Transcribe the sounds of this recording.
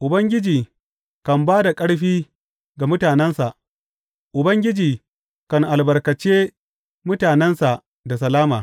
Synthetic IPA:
ʔʊ˨bɐ˦ŋɡʲɪ˦d͡ʒiː˨ | kɐ˨mbaː˦da˨kʼɐ˦ɽɸiː˦ | ɡa˨mʊ˦taː˨nɛ˦nsa˨ʔ | ʔʊ˨bɐ˦ŋɡʲɪ˦d͡ʒiː˨ | kɐ˨ŋʔa˨lbɐ˨rkɐ˨t͡ʃeː˦ | mʊ˦taː˨nɛ˦nsa˨ʔ | da˨s̬ɐ˨laː˦maː˨

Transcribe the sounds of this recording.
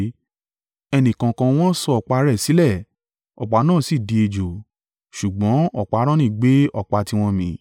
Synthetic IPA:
ɛ˧nĩ˨kã˧kã˧w̃ɔ̃˦sɔ˧ɔ˨k͡pa˧ɾɛ˦˨si˨˦lɛ˦˨ | ɔ̰˨k͡pa˨˧˦nãː˦˨si˦˨di˧e˧d͡ʒo˨ | ʃu˨ɡ͡bɔ̃˨˦ɔ˨k͡pa˨˧˨ɾ̃ã˦nĩ˦˨ɡ͡be˨˦ɔ˦˨k͡pa˧ti˧w̃ɔ̃˧mĩ˧˦

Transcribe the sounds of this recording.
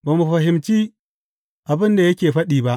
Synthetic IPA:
baː˨mu˨ɸɐ˨ɦɪ˨mt͡ʃiː˦ | ʔa˨bɪ˦nda˨jɐ˦kʲeː˨ɸɐ˦ɗiː˨ba˦ʔ

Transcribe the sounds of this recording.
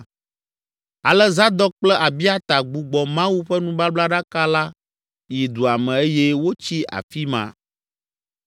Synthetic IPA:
a˨lɛ˦za˦d̪ɔ˦k͡plɛ˦ʔa˨bi˦a˦t̪a˨ɡ͡bu˨ɡ͡bɔ˨mã˦wu˦ɸɛ˦nũ˦ba˦bla˦ɖa˦ka˦la˦ | ji˨d̪u˨a˨mɛ̃˨e˦je˦wo˦t͡ɕi˦a̰˨fi˦mã̰˨

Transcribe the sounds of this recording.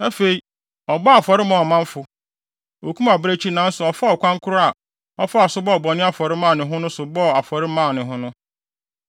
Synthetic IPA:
a˦fe˨i˦ | ɔ˨ba˦a˨fɔ˨ɾɪ˦mã˨ɔ˨mã˦ɱ˦fʊ˨ | o˨kʰũ˦ma˨bɾe˦t͡ɕʰi˦nã˨˦n̩˦sʊ˨ɔ˨fa˦ɔ˨kʷʰã˦ŋ˦kʰʊ˦ɾʊ˦a˨ | ɔ˦fa˦a˨sʊ˦bɔ˦ɔ˨bɔ˨nɪ̃˦a˦fɔ˨ɾɪ˦mãː˦˨nɪ̃˨ɦʊ̃˦nʊ̃˦sʊ˨bɔ˦a˨fɔ˨ɾɪ˦mã˦˨nɪ̃˨ɦʊ̃˦nʊ̃˦

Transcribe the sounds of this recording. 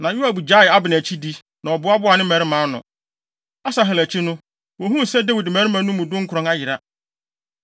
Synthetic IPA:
nã˨ju˦a˨bu˨d͡ʑa˦ɪ˨a˦bɪ˨n˨æ˨t͡ɕʰi˦di˦ | nã˨ɔ˨bʊ˨˦a˦bʊ˦a˨nɪ̃˦mæ˨ɾɪ˦mã˨˦nʊ̰̃˨ | a˦sa˨ɦɛ˨læ˨t͡ɕʰi˦nʊ̃˦ | wɔ˨ɦũ˦˨sɛ˦dæ˦wi˨dmæ˨ɾɪ˦mã˨˦nʊ̃˦mʊ̃˨dʊ̃˦ŋ̩˦kʰʊ˨ɾɔ̃˨ŋa˦jɪ˨ɾa˦

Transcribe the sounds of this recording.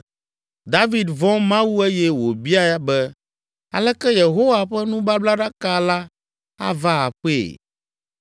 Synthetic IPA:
d̪a˦vi˨d̪vɔ̃˦mã˦wu˦e˦jɛ˦wo˨bi˦a˦ja˦bɛ˦ | a̰˨lɛ˦kɛ˦je˨ɦo˦wa˨ɸɛ˦nũ˦ba˦bla˦ɖa˦ka˦la˦ | a̰˦va˦a̰˨ɸḛ˦˨

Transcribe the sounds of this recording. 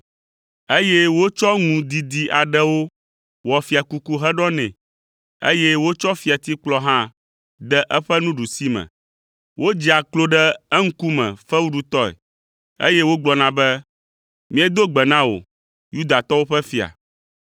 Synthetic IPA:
e˦jɛ˦wo˦t͡ʃɔ˦ŋũ˨d̪i˨d̪i˨ʔa˨ɖɛ˦wo˦ | wɔ˨fi˨a˨ku˦ku˦ɦɛ˦ɖɔ˦nɛ̰̃˨ | ḛ˦jɛ˦wo˦t͡ʃɔ˦fi˨a˨t̪i˦k͡plɔ˦ɦã˦ | d̪ɛ˦ʔɛ˦ɸɛ˦nũ˦ɖu˨si˦mɛ̰̃˨ | wʔo˦d͡ʑi˨a˨klo˦ɖɛ˦ɛ˦ŋ̩˦ku˦mɛ̰̃˨fɛ˦wu˦ɖu˦t̪ɔ˦ɛ̰˨ | ḛ˦jɛ˦wo˦ɡ͡blɔ˨nã˨bɛ˦ | mĩ˦ɛ˦d̪o˦ɡ͡bɛ˨nã˦wo̰˨ | ju˦d̪a˨t̪ɔ˦wo˦ɸɛ˦fi˨a̰˨

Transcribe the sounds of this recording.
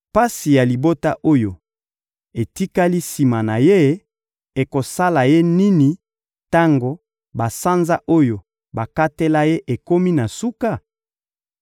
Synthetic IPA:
pa˦si˨ja˨li˨bo˦ta˦ʔo˦jo˨ | e˨ti˦ka˦li˦si˨ma˨na˨je˦ | e˨ko˨sa˦la˨je˦ni˦ni˨ | ta˦ŋɡo˦ | ba˨sa˦nza˦ʔo˦jo˨ | ba˨ka˦te˦la˦je˦ʔe˨ko˦mi˦na˨su˦ka˦˨

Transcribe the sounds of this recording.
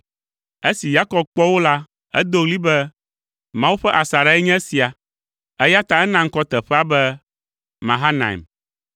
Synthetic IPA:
e˦si˨ja˦kɔ˨b̚k͡pɔ˦wo˦la˦ | ɛ̰˦d̪o˦ɣli˦bɛ˦ | mã˦wu˦ɸɛ˦ʔa˨sa˨ɾa˦ɛ˦ɲɛ̃˦si˨a˨ | ɛ˦ja˦t̪ã˦ɛ˦nã˦ŋ̩˦kɔ˦t̪ɛ˨ɸɛ˦a˦bɛ˦ | mã̰˨ɦa˦nã̰˨ḭ˨m

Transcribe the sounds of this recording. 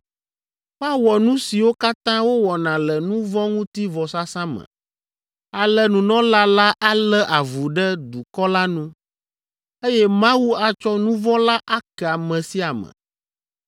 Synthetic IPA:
ɸa˦wɔ˨nũ˦si˨wo˦ka˦t̪ã˦wo˦wɔ˨nã˨lɛ˨nũ˦vɔ̃˦ŋũ˦t̪i˦vɔ˨sa˦sã˦mə̰̃˨ | a˨lɛ˨nũ˨nɔ̃˦la˦la˦ʔa˦lɛ˦ʔa˨vu˨ɖɛ˦d̪u˨kɔ˦la˦nũ˦ | e˦jɛ˦mã˦wu˦a˨t͡ʃɔ˦nũ˦vɔ̃˦la˦ʔa˦kɛ˨a˨mɛ̃˨si˦a˨mə̰̃˨

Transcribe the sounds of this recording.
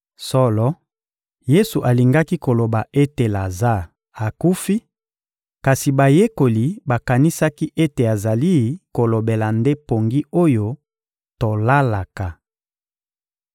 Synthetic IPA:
sɔ˦lɔ˦ | je˦su˨ʔa˨li˨ŋɡa˦ki˦ko˨lo˨ba˨ʔe˦te˨la˨za˦˨ | a˨ku˦fi˦ | ka˨si˨ba˨je˦ko˨li˨ba˨ka˨ni˦sa˦ki˦ʔe˦te˨a˨za˨li˦ko˨lo˨be˨la˨nde˦po˨ŋɡi˦o˦jo˦ | to˨la˦la˨ka˨

